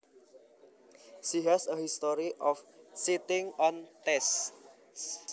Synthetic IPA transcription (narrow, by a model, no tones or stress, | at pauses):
ʃiɦɛsəhist̪ɔɾiʔɔfsit̪ɪŋɔ̃nt̪ɛs